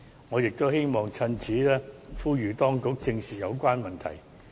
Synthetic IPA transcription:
ŋɔː˨˧jɪ˨k̚t̪o˥whe˥jmɔː˨˩ŋt͡sʰɐ˧nt͡sʰiː˨˥lɛː˥fuː˥jyː˨t̪ɔː˥ŋkʊ˨˥k̚t͡sɪ˧ŋsiː˨˩jɐ˨˧wkʷaː˥nmɐ˨nt̪ʰɐ̰˨˩j

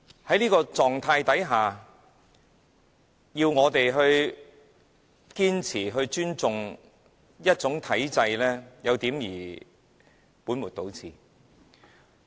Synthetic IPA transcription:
hɐ˨˥jniː˥kɔː˧t͡sɔː˨˧ŋt̪ʰaː˧jt̪ɐ˨˥jɦaː˨ | jiː˧wŋɔː˨˧t̪e˨jɦɵ˧ɥ | kiː˥nt͡sʰiː˨˩ɦɵ˧ɥt͡ʃyː˥nt͡sʊ˧ŋ | jɐ˥t̚t͡sʊ˨˥ŋt̪ʰɐ˨˥jt͡sɐ˧jlɛː˥jɐ˨˧wt̪iː˨˥mjiː˨˩ | puː˨˥nmu˨˩t̪o˨˧˥wt͡sʰiː˨˩

